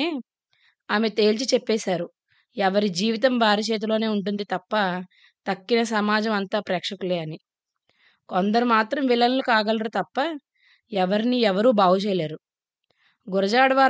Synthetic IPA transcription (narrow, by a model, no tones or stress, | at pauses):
e | aːmet̪e̞ːlt͡ʃit͡ʃɛpːɛːsaːɾu | ɛʋɐɾid͡ʒiːʋit̪̬ɐmbʱaːɾɐt͡ʃeːt̪̬ulo̞ːne̞ːuɳʈ̬und̪it̪ɐpːɐ | t̪ɐkːinɐs̬ɐmaːd͡ʒɐmɐnt̪aːpɾɛːkʂɐkuleːɐni | kond̪ɐɾumaːt̪ɾɐmʋilɐnlukaːɡɐlɾut̪ɐpːɐ | ɛʋɐɾiniɛʋɐɾuːbaːwut͡ʃɛːjlaːɾu | ɡuɾɐd͡ʒaːɽɐʋaː